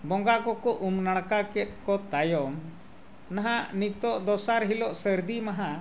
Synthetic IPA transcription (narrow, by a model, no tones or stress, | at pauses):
bɔŋɡakɔkɔʔumnaɽ̃kakɛt̪̚ˀkɔt̪ajɔm | naɦaʔnit̪ɔʔd̪ɔsaɾɦilɔʔsəɾd̪imaɦa